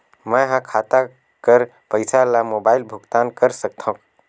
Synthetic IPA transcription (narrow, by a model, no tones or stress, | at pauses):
məjɦãkʰat̪a | kəɾ | pəɪsalamobailbʱuɡt̪ankəɾsək̚t̪ʰɔ̃k